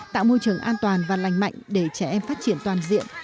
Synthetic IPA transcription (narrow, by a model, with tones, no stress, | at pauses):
t̪a̰ː˧˨wmo˧jt͡ɕɨ˨˩əŋʔaː˧nt̪waː˨˩nvaː˨˩la˨˩jŋ̟ma̰˧˨jŋ̟ɗe˧˩t͡ɕɛ˧˩ʔɛ˧mfaː˦˥t̚t͡ɕi˧˩ənt̪waː˨˩nzḭ˧˨əm